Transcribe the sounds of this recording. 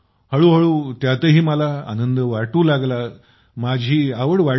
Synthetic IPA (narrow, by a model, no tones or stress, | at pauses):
həɭuːɦəɭuːt̪jat̪əɦiːməlaa̰nənd̪əʋaʈuːlaɡla | mad͡ʑʱiːaʋəɽʋa